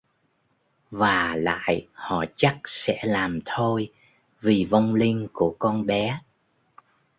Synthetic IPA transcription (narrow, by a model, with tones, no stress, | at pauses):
vaː˨˩la̰ː˧˨jhɔ̰˧˨t͡ɕa˦˥k̚sɛ̰˧˥laː˨˩mt̪ʰo˧j | vi˨˩və˧wŋ͡mlï˧ŋ̟ku˧˩əkɔ˧nɓɛ˨˦